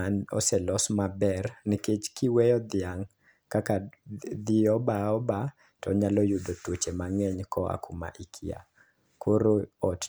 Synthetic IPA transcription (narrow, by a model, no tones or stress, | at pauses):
nɔ̰sɛlɔsmabɛrniket͡ʃkiwɛjɔd̪ɪaŋ | kakad̪iɔbaɔba | tɔ̰ɲalɔjudotwot͡ʃemaŋɛɲkɔa̰kuma̰ʔikʰia̰ | koɾoɔt